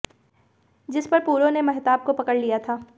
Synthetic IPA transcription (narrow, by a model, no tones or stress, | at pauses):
d͡ʒɪspɐɾpuːɾõnemɐɦt̪aːp̚kopɐkəɽlijat̪ʰaː